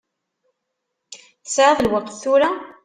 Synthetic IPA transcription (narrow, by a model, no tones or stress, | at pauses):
θəsʕðˤlwəqθθʊɾa